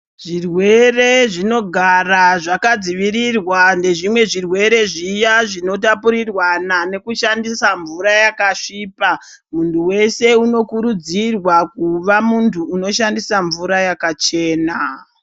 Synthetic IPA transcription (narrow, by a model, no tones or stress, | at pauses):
ʐ̥irwe̞re̞ʐino̞ɡʱaraʐakad͡ziʋirirwande̞ʐimwe̞ʐirwe̞ɾe̞ʐijaʐino̞t̬apuɾirwanane̞kuʃandisaɱvuɾajakaʂiːpa | muntʰuwe̞se̞uno̞kuɾud͡zirwakuʋamuntʰuːno̞ʃandisaɱvuɾajakat͡ʃe̞ːna